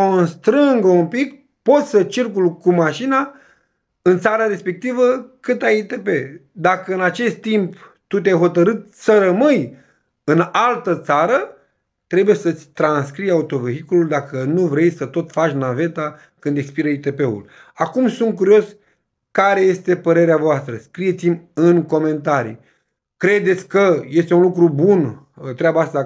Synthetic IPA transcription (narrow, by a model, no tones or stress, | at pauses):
koonst̪ɾɨŋɡəumpik | po̞t̪sʲsət͡ʃirkulkumaʃina | ɨnt̪saɾəɾe̞spe̞k̚t̪ivəkɨt̪ajit̪e̞pe̞d̪akəɨnat͡ʃe̞st̪ːimp | t̪ut̪̬ʲajɦo̞t̪əɾɨt̪səɾəmɨj | ɨnalt̪ət̪saɾə | t̪ɾe̞bujesət̪sʲt̪ɾanskɾijaut̪o̞ve̞ɦikululd̪akənuvɾe̞jsət̪o̞t̪fat͡ʃʲnave̞t̪a | kɨnd̪ekspiɾəit̪e̞pe̞ṵlakumsunt̪̚k̬uɾio̞s | kaɾe̞je̞st̪e̞pəɾe̞ɾeavoast̪ɾəskɾijet̪simʲɨŋko̞me̞nt̪aɾḭ | kɾe̞d̪e̞t̪sʲkəje̞st̪eunlukɾubun | t̪ɾeabaast̪a